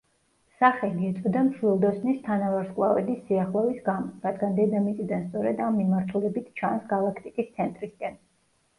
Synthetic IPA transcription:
saχɛliɛt̪sʼɔd̪amʃʰlilˠd̪ɔsnist̪ʰanavaɾskʼlˠavɛ̰d̪isːiaχlˠɔvisɡamɔɾad̪ɡand̪ɛd̪amit̪sʼid̪anst̪sʼɔɾɛd̪amːimaɾt̪ʰulɛbit̪ʰt͡ʃʰansɡalˠakʰt̪ʼikʼist̪sʰɛnt̪ʼɾisɡɛn

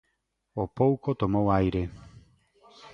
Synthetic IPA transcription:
opowkot̪omowajɾe

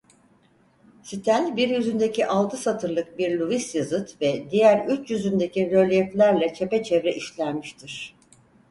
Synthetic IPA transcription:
sit̪ʰælʲbiɾjyzynd̪ecʰiʔalˠt̪ʰɯsat̪ʰɯɾlˠɯk̚biɾlʲuisjazɯt̪vɛd̪ijæɾyt͡ʃjyzynd̪e̞ciɾølʲɛflʲæɾlʲɛt͡ʃʰe̞pɛt͡ʃʰɛvɾɛʔiʃlʲæɾmiʃt̪ʰiɾ̥

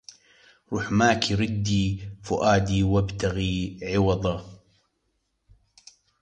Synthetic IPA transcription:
ɾˤuːħmaːkiɾɪd̪ːifʊʔaːd̪iwabt̪aɣiːʕɪwɑðˤɑ

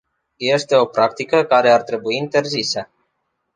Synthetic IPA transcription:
je̞st̪e̞o̞pɾakt̪ikəkaɾe̞art̪ɾe̞buiːnt̪e̞rzisə

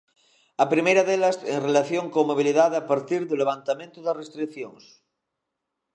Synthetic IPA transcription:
ɐpɾimejɾaðelaseŋrelaθjoŋkomoβ̞iliðaðapaɾt̪iɾðuleβ̞ant̪amẽnt̪uðarest̪ɾikθjoŋs

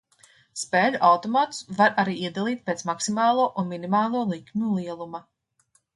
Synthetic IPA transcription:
speːʎʲuʔawt̪ɔmaːt̪svaɾaɾiːiɛd̪alˠiːt̪̚peːt̪smaksimaːlˠuɔʔunminimaːlˠuɔlˠikmʲulˠiɛlˠuma

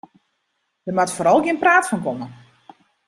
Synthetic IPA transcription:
d̥ərmatfoːɾɔlˠɡjɪnpraːtfɔnkɔmə

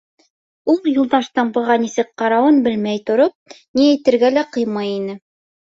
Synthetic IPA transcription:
ulˠjŭlˠd̪ɑʃt̪ɤɴbɤ̆ʁɑnisɘk̚qɑɾɑwɤnbɘlmæjt̪ŏɾop̚niæjt̪ɘ̆ɾɡælæqɤ̆jmɑjinɘ

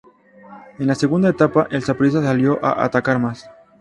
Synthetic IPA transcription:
enlase̞ɣund̪aet̪apaʔelsapoɾis̬asaljo̞ʔa̰ʔa̰t̪akaɾmas

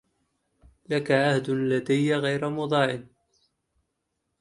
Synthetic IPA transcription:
lakaʔahd̪ʊlad̪ajːaɣajɾamʊd̪ˤɑːʕɪn

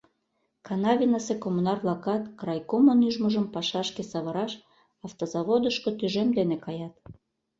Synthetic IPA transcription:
kɑnɑβʲinəsekomunɑrβlɑkɑt̪kɾɑjkomonyʒməʒəmpɑʃɑʃkesɑβɤ̆ɾɑʃ | ɑft̪ozɑβod̪əʃkot̪yʒemd̪enekɑjɑt̪̚

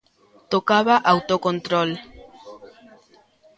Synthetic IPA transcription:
t̪okaβaʔawt̪okont̪ɾol

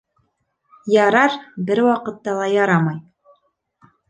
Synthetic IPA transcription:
jɑɾɑɾbɘɾwɑqɤ̆t̪ːɑlˠɑjɑɾɑmɑj

